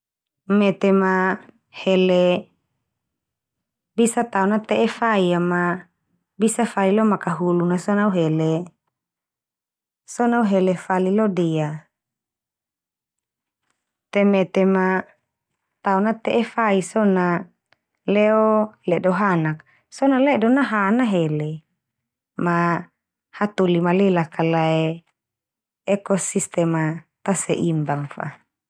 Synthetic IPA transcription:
met̪ema | hele | bisat̪aonat̪eʔefaiama | bisafailomakaɦulunasonauɦele | sonauɦelefalilodia | t̪emet̪ema | t̪aunat̪eʔefaisona | lɛolɛdoɦanak̚ | sonalɛdonaɦanaɦele | ma | hat̪ulimalelakalae | ekɔsist̪ɛmat̪aseʔimbaŋfa̰

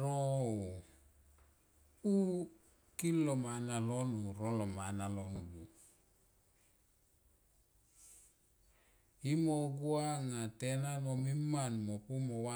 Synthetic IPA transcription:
ɾo | u | kilːomanalonuɾolomanaloŋɡu | imoɡuaŋatenanomimːanmopumowa

